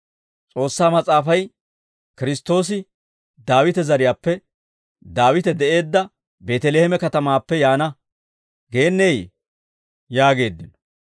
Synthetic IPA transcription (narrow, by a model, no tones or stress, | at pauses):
t͡sʼo̞ːsːaːmɐt͡sʼaːfɐj | kɪɾɪst̪ːo̞ːs̬ɪ | d̪aːwɪt̪ɛzɐɾɪjaːpːɛ | d̪aːwɪt̪ɛd̪ɛʔe̞ːd̪ːɐ | be̞ːt̪ɛleːhɛmɛkɐt̪ɐmaːpːɛjaːnɐ | ɡe̞ːnːɛj | jaːɡe̞ːd̪ːɪnɔ